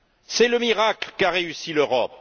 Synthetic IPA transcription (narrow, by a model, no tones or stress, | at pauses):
sɛləmiʁaklkaʁeysiløʁɔp̚